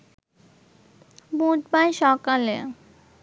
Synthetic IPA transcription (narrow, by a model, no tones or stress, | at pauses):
bud̪bajʃɔkale